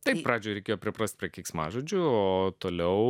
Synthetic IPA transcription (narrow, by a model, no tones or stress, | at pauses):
t̪ɐɪppɾɑːd͡ʒʲoːɾʲɛkʲeːjoːpʲɾʲɪpɾɐsʲt̪̚ʲpʲɾʲiɛkʲɛɪksmɑ̰ːʒoːd͡ʒʲʊoːt̪oːlʲɛʊ